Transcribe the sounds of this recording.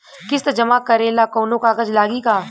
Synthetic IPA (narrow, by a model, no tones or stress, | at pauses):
kɪst̪ɐd͡ʒɐmaːkɐɾeːlaːkoːnõkaːkəd͡ʒlaːɡikaː